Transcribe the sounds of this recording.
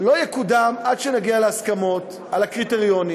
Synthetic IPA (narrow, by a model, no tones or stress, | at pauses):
lo̞jekud̪amadʃenaɡialeaskamo̞t̪ | alhakʁiteʁijo̞ni